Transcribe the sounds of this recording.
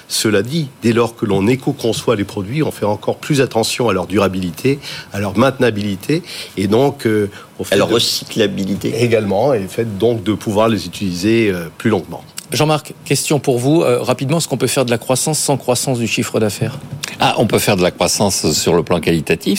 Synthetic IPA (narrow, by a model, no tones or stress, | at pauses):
səlad̪id̪elɔʁkəlɔ̃nekokɔ̃swalepχɔd̪ɥiɔ̃fɛɑ̃kɔʁplyzat̪ɑ̃sjɔ̃alœʁd̪yʁabilit̪ʰealœʁmɛ̃t̪nabilit̪ʰeːd̪ɔ̃kʰø | ɔ̃fɛlʁːəsi̥klabilit̪ḛeɡalmɑ̃elfɛt̪̚d̪ɔ̃k̚d̪əpuvwaʁlezyt̪ilizeøplylɔ̃ɡmɑ̰̃ʒɑ̃maʁkːɛst̪jɔ̃puʁvuø̰ʁapid̪mɑ̃ɛskɔ̃pøfɛʁd̪əlakχwasɑ̃sːɑ̃kχwasɑ̃sd̪yʃifχəd̪afɛːʁaʔɔ̰̃pøfɛʁd̪əlakχwasɑ̃sːyʁləplɑ̃kalit̪at̪if